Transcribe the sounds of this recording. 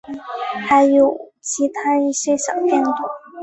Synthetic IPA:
ta˧˥ɪjo˨˩ʊt͡ɕʰi˧˥t̪ʰa˥i˥˩ɕe˥ɕjɑ̰˨˩ʊt̪jɛ˥˧nt̪u˥˩˦

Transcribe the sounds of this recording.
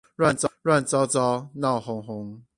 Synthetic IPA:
ɹwa˥˨nt͡sɹwa˥˨nt͡sɑ˦ʊt͡sɑ˦ʊnɑ˥˨˩ʊxʊ˧˥ŋxʊ˧˦ŋ

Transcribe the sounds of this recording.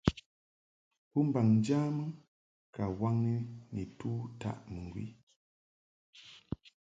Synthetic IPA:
pu˦m˦ba˨ŋn˦d͡ʒaː˦mə˦ | ka˨wa˦ŋi˦ni˨tu˦ta̰˨ʔmɨ˨ŋɡwḭ˦

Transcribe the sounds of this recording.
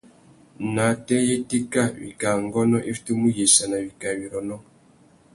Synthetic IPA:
na˨tɛ˦je˦ti˦ka˦˨βḭ˨ka˨ŋ˦ɡɔ˦nɔ˦ʔe˦fi̥˨˦tu˦mu˦ji˨sa˨na˨βi˨ka˨βi˨ɾɔ˨nɔ˦

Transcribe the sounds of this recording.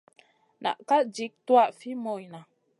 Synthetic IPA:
na̰˨ʔka˦d͡ʒi˨˦k̚twa˦ʔfi˦mo˨jna˨

